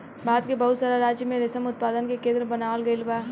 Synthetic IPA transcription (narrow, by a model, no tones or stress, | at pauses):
baːd̪kebɐɦʊt̪saːɾaɾaːd͡ʒjəmẽɾɪsəmʊt̪̚paːd̪ənkekẽːd̪ɾəbɐnaːlɡəilbaː